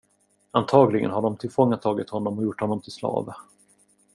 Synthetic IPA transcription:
ant̪ʰɑːɡlɪɡə̰nɦaɖɔmt̪ʰɪlfɔŋːat̪ʰːɑːɡɪt̪hɔnːɔmɔjʊʈːhɔnːɔmt̪ʰɪlslɑ̰ːvə

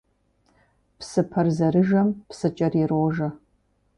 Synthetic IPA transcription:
psɨpʰɐrzɐɾɨʒɐmpsɨt͡ʃʼɐrirwʒɐ

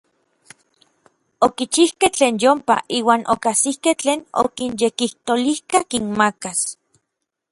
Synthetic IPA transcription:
okit͡ʃihkeht͡ɬeːnjompa̰ʔiːwaːnʔokasihkeht͡ɬeːno̰kinjekiht̪olihkakinmakas

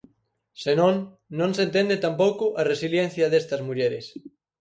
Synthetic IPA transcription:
senõŋ | nõŋsent̪end̪et̪ampowkʊʔɐresiljɛn̟θjɐðest̪ɐzmuʎeɾɪs

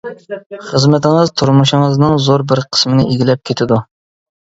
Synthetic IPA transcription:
χəzmɛt̪ɪŋəzt̪ʰuɾmuʃɪŋəznɨŋzoɾbɪɾqʰə̥smɪnɪʔeɡʲilɛp̚kʲʰet̪ʰɪd̪u

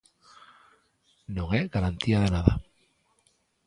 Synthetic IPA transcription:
nõŋeɣaɾant̪iað̞enaða

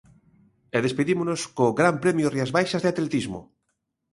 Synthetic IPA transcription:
eðespeðimonoskoɣɾampɾemjoriazβajʃazðeat̪let̪izmo̰

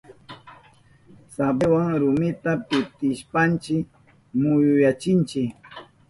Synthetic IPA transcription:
sabewaŋɾʊmɪt̪apɪt̪ɪʃpant͡ʃɪ | mʊjʊjat͡ʃɪnt͡ʃɪk

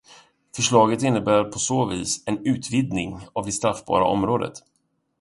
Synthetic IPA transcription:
fœʂɭɑːɡət̪ɪnːəbæːɾɾpʰɔsoːviːsɛnʉ̟ːt̪vɪd̪nɪŋavd̪ɛst̪ɾafbɑ̰ːɾa̰ʔɔmɾoːd̪ə̰t̪

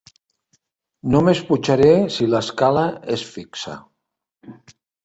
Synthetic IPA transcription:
nomesput͡ʃaɾesiləskaləesfiksa̰

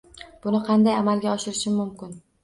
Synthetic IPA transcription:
b̥ʊnɪqʰɑnd̪ajamalɡʲaɒʃɪɾɪʃɪːʊmkʲɪn

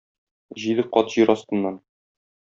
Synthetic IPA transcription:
ʑid̪ɘqɒt̪ʑiɾɒst̪ɤ̆nːɑn

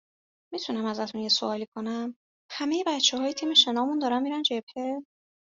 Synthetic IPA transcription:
mit̪ʰunæmæzæt̪ʰunjesoɒːlikʰo̞næm | hæme̞je̞bæt̪t͡ʃʰːeɦɒːjet̪ʰimeʃe̞nɒːmund̪ɒːɾænmiːɾænd͡ʒep̚ʰhe

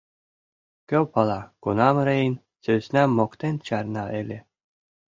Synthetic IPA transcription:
kʲøwpɑlˠɑkunɑmɾejnʲ | sʲøsʲnæmokt̪enʲt͡ɕɑrnɑelʲe

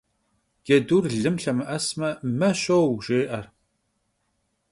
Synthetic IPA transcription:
ɡ̥ɛduːrɮɨmɬɐmɨʔɐsmɐmɐɕʼowʒɪʔɐr

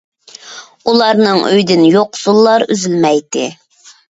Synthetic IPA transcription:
ulˠɑɾnɨŋʔø̰jd̪ɪnjoqsulˠːɑɾy̰zylmɛjt̪ɪ

